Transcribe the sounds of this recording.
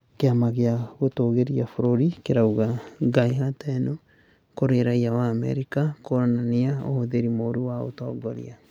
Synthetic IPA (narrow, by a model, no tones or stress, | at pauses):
keamaɣeaɣotoːɣeɾiafoɾoɾikeɾauɣaɡaiɦatɛno | koɾeɾaiawaːmɛ̰ɾikakoɾananiao̰hoðeɾimoɾuwao̰tɔːɡɔɾḭa